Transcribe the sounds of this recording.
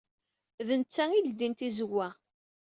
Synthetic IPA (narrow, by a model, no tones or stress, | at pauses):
ðənt͡sːæŋild̪int̪izəwːæ